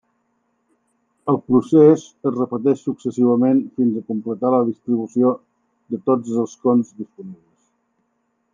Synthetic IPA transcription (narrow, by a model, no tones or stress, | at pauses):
əlˠpɾusezəzrəpət̪ɛʃsuksəsiβ̞əmenfinzəkumplət̪aləð̞ist̪ɾiβ̞usio | d̪ət̪od͡zəlˠskonzðispuniβləs